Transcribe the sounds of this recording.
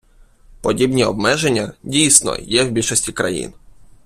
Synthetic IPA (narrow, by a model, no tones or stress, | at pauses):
pɔdʲibnʲiɔbmɛʒenʲːɐdʲijsʲnɔ̰jɛwbʲilʲʃɔsʲtʲikɾɐ̰jḭn